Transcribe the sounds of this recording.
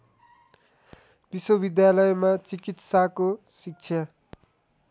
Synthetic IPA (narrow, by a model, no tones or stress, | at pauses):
biswobid̪jalʌjmat͡sikit̪sakosik̚t͡sʰjʌ